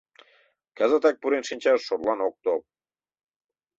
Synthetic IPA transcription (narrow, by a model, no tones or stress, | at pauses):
kæzə̆t̪æk̚puɾenʃinʲt͡ɕɑʃːorlɑnok̚t̪o